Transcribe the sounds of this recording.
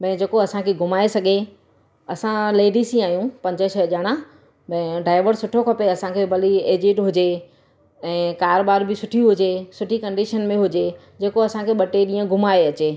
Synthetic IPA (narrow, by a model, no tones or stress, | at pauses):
bɛ̃ːd͡ʑeːkoɐsãkʰeɡʱʊmaːesɐɡʱe | ɐsãleːɖisĩaːijũpɐ̃ɲd͡ʑəʃʰɐʄaːɽ̃ã | bɐ̃ɪɖaːɪʋəɾsʊʈʰokʰɐpeɐsãkʰebɐlieːd͡ʑɪʈɦʊd͡ʑe | ɛ̃ːkaːɾobaːɾbɪsʊʈʰiuɦʊd͡ʑesʊʈʰikɐ̃ɳɖiʃənmẽɦʊd͡ʑe | d͡ʑeːkoɐsãkʰeɓɐʈeɗĩːə̃ɡʱʊmaːeɐt͡ɕeː